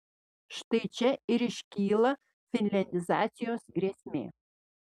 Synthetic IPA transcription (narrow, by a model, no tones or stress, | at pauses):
ʃt̪ɐɪt͡ʃʲɛɪɾɪʃʲkʲiːlˠɐ | fʲɪnʲlʲɛnʲd̪ʲɪzɑːt̪sʲɪjoːsɡɾʲeːsʲmʲḛː